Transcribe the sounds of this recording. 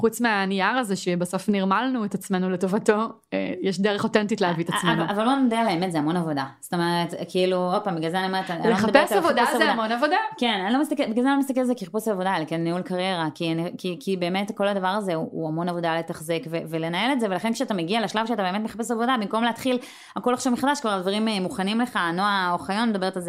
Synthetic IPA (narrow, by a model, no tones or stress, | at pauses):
χut͡smeaniaʁazeʃebaso̞fniʁmalnuet̪at͡sme̞nuleto̞vato̞ | ejeʃdeʁeχotentitleavit̪ameuavaloanod̪ealeemetzeamo̞navo̞dast̪omeʁet̪kʰiiluo̞d̚paːmbiɡazanamataanleoead̪apesavod̪avzeadamonavodakenanilo̞mist̪akebeɡazanlomist̪akelazekiʁpusaavodalkenːiulkaʁje̞ʁakianikikibe̞ːmetko̞lad̪avaʁaze̞uuamo̞navo̞dale̞taχzekvevele̞nae̞letze̞ve̞laχenkʃeatameɡialaʃlavʃeatabemet̪meχapesavo̞dabimko̞mleat̪χil | ako̞laχʃavmiχad̪aʃkvaʁaldvaʁimmuχanimle̞χanoaoχajonmed̪abe̞et̪alze